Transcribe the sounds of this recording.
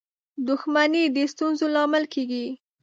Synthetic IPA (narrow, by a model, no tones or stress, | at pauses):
d̪ʊxmanid̪əst̪unzolɑmɪlkeɡi